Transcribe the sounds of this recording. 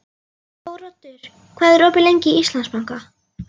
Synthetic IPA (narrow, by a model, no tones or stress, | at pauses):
owɾɔt̪ʏɾ̥ | kʰvɛːðrɔːpɪlejɲcɪist̪lanspawŋka